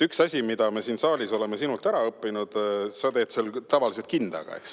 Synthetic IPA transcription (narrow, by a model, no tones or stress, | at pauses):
yksɑsʲimid̪̥ɑme̞siːnsɑːlʲiso̞le̞me̞sinult̪æɾɑɤpːinud̪̥sɑt̪e̞ːd̪̥selt̪ɑvɑlis̬e̞t̪̚kind̪̥ɑ̰ɡ̥ɑ̰ḛks